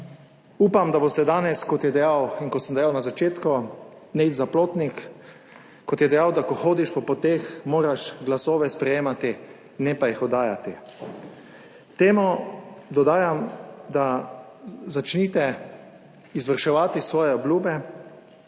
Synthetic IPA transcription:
uːpamd̪aboːst̪ɛd̪aːnɛskɔt̪jɛd̪ɛjawinkɔt̪səmd̪ɛjawnazat͡ʃeːt̪kɔnɛizaploːt̪nikː | kɔt̪jɛd̪ɛjawd̪akɔxoːd̪iʃpɔpɔt̪eːxmoːɾaʃɡlasoːʋɛspɾɛjeːmat̪i | nɛpajixɔd̪aːjat̪i | t̪eːmɔd̪ɔd̪aːjamd̪a | zat͡ʃniːt̪ɛ | izʋəɾʃɛʋaːt̪isʋɔːjɛɔblʲjuːbɛ

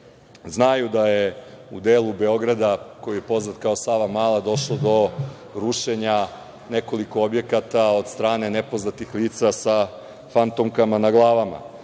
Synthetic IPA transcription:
znajud̪ajeud̪eːlubeo̞ɡɾad̪ako̞jije̞po̞znat̪kaosaːʋamaːlˠad̪o̞ʃlod̪o̞ | ɾuʃe̞ɲa | ne̞ko̞liko̞obje̞kat̪aod̪st̪ɾaːne̞nepoznat̪ixliːt̪sasa | fant̪omkamanaɡlˠaːʋama̰

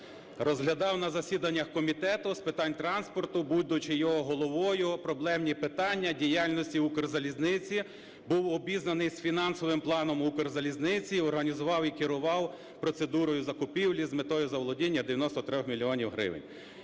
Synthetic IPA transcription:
rɔzɦlʲɐd̪ɑwnɐzɐsʲid̪ɐnʲːɐxkɔmʲit̪ɛt̪ʊspɪt̪ɑnʲt̪ɾɑnspɔrt̪ʊbud̪ʊt͡ʃɪjɔɦɔɦɔlˠɔʋɔjʊpɾɔblˠɛmnʲipɪt̪ɑnʲːɐdʲijɑlʲnɔsʲtʲiukɔrzɐlʲiznɪt͡sʲi | buwɔbʲiznɐnɪjsfʲinɑnsɔʋɪmplˠɑnɔmukɔrzɐlʲiznɪt͡sʲiɔrɦɐnʲizʊʋɑwikɪɾʊʋɑw | pɾɔt̪se̞d̪uɾɔjʊzɐkʊpʲiwlʲizmet̪ɔjʊzɐʋɔlˠɔdʲinʲːɐd̪ejɐnɔst̪ɔt̪ɾɔxmʲilʲiɔnʲiwɦɾɪ̰ʋɪ̰nʲ

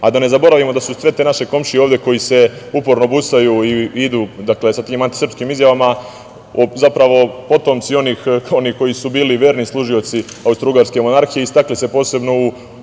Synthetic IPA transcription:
ad̪ane̞zabo̞ɾaʋimo̞d̪asusʋe̞t̪enaʃe̞ko̞mʃio̞ːʋd̪e̞ko̞jise̞upo̞ɾno̞bust̪ajuːiid̪uːd̪akle̞sat̪iːmant̪i̥sr̩pskiːmizjaʋama | ozapɾaʋo̞po̞t̪o̞mt̪sio̞niːxo̞niko̞jisubiːliʋe̞ːɾnislˠuʒio̞t̪siaust̪ɾuːɡaɾske̞mo̞naɾxijeist̪aklise̞po̞ːse̞bno̞u

